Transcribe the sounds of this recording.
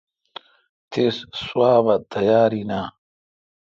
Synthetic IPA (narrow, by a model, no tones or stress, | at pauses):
t̪ʰessuaːbɐt̪ʰɐjaːɾinaː